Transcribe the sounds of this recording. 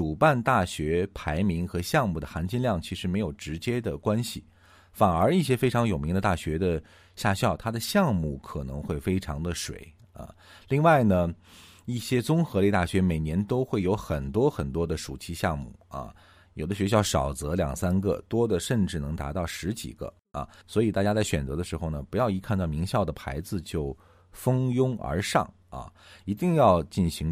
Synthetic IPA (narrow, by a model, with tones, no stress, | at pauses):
ʈ͡ʂu˨˩pa˥˧nt̪a˥˩ɕɥɛ˧˥pʰa˧˥ɪmi˧˥ŋxɤ˧˥ɕjɑ˥˧ŋmu˥˩d̪ə˩xa˧˥nt͡ɕi˥˧nljɑ˥˩ŋt͡ɕʰi˧˥ʂɻ̩˧˥me˧˥ɪjo˨˩ʊʈ͡ʂɻ̩˧˥t͡ɕjɛ˥d̪ə˨kwa˥nɕi˨ | fa˨˩nə˞˧˥i˥˩ɕjɛ˥fe˥ɪʈ͡ʂʰɑ˧˥ŋjo˨˩mi˧˥ŋd̪ə˧t̪a˥˩ɕɥɛ˧˥d̪ə˧ | ɕja˥˧ɕjɑ˥˩ʊt̪ʰa˥d̪ə˨ɕjɑ˥˧ŋmu˥˩kʰɤ˨˩nɤ̰˧˥ŋxwe˥˩ɪfe˥ɪʈ͡ʂʰɑ˧˥ŋd̪ə˧ʂwḛ˧˩˦ɪ | ə̰˧˩ | li˥˧ŋwa˥˩ɪnə˩ | i˥˩ɕjɛ˥t͡sʊ˥ŋxɤ˧˥li˥˧t̪a˥˩ɕɥɛ˧˥me˨˩ɪnjɛ˧˥nt̪o˥ʊxwe˥˩ɪjo˧˥ʊxə˨˩nt̪wɔ˥xə˨˩nt̪wɔ˥d̪ə˨ʂu˨˩t͡ɕʰi˥ɕjɑ˥˧ŋmṵ˥˩ɐ̰˧ | jo˨˩ʊd̪ə˦ɕɥɛ˧˥ɕ̬jɑ˥˩ʊʂɑ˨˩ʊt͡sɤ˧˥ljɑ˨˩ŋsa˥nɡə̰˥˧t̪wɔ˥d̪ə˨ʂə˥˧nʈ͡ʂɻ̩˥˩nɤ˧˥ŋt̪a̰˧˥t̪ɑ˥˩ʊʂɻ̩˧˥t͡ɕḭ˨˩ɡ̥ə̰˦ | ɐ̰˩swɔ˧˥i˨˩t̪a˥˧˩t͡ɕja˥t͡sa˥˩ɪɕɥɛ˨˩nt͡sɤ˧˥d̪ə˧ʂɻ̩˧˥xo˥˩ʊnə˩pu˧˥jɑ˥˩ʊi˧˥kʰa˥˧nt̪ɑ˥˩ʊmi˧˥ŋɕjɑ˥˩ʊd̪ə˩pʰa̰˧˥ɪd͡zɹ̩˧t͡ɕjo˥˩ʊ | fɤ˥ŋjʊ˥ŋə̰˞˧˥ʂɑ̰˥˩ŋ | ɐ̰˧i˧˥t̪i˥˧ŋjɑ˥˧ʊt͡ɕi˥˩nɕi˧˥ŋ